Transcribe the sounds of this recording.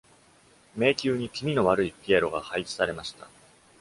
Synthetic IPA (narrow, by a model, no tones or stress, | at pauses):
me̞ːkʲɨːɲ̟ikʲimʲino̞βaɾɯ̟ipʲieɾo̞ɡa̰hait͡ɕi̥saɾe̞maɕi̥t̪a